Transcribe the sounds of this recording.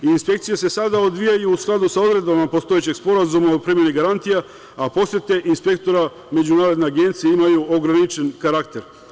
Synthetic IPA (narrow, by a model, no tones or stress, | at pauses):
iːnspe̞kt̪sijese̞sad̪aod̪ʋijajuːsklˠad̪usao̞d̪ɾe̞d̪bamapo̞st̪o̞jet͡ɕe̞ɡspo̞ɾazumaopɾimje̞niɡaɾant̪ija | apo̞set̪eʔinspe̞kt̪o̞ɾa | me̞d͡ʑunaːɾo̞d̪neaɡe̞nt̪sijeimajuo̞ɡɾanit͡ʃe̞nkaɾakt̪e̞ɾ